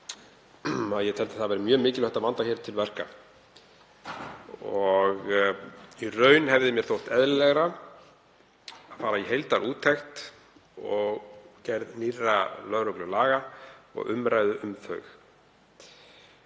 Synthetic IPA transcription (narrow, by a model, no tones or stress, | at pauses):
aðjɛt̪ʰɛlt̪aθaðvɛːɾɪmjœːmɪːcɪlœht̪avant̪açɛːɾt̪ʰɪlvɛr̥ka̰ | ɔɣ | irœːɥnhɛvðɪmjɛɾ̥θowht̪ɛðlɪlɛɣɾa | aðfaːɾaiɦejlt̪aɾʔuːt̪ʰɛxt̪ | ɔɣcɛɾðnirːalœɾœklʏlaːɣaɔ̰ɣʏ̰mɾʔaːjðʏʔʏmθœ̰ɥx